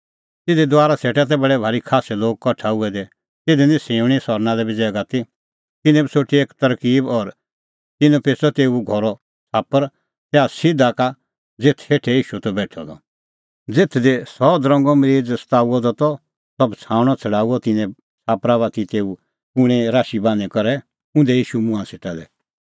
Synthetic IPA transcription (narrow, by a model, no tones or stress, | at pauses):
t̪ɪd̪ɛd̪waːɾaseːʈɛt̪̬ɛbɐɽɛbʱaːɾikʰaːsɛloːɡ̚kɔʈʰaʊɛd̪ɛ | t̪ɪd̪ɛnĩsẽːʊɽ̃isɔɾnãlɛbid͡zɛːɡat̪i | t̪ɪnɛ̃bisoʈieːkt̪ɐɾkiːbɔɾ | t̪ɪnũpeːsɔt̪eːuɡʱɔɾɔ | saːpəɾ | sɛasɪd̪aka | d͡zet̪ʰeːʈʰɛjiːʃut̪ɔbɛːʈʰɔ̰d̪ɔ̰ | d͡zet̪ʰd̪ɛsɔd̪ɾɔ̃ŋɡɔmɾiːd͡zst̪aːuɔd̪ɔt̪ɔ | sɐbt͡sʰãːʊɽ̃ɔt͡sʰɐɽaːuɔt̪ɪnɛ̃ | t͡saːpɾaβat̪it̪eːu | pʊɽ̃ɛ̃ɾaːʃibãːnɛkɔɾɛ | ʊ̃nd̪ɛjiːʃumʊ̃ãseʈad̪ɛ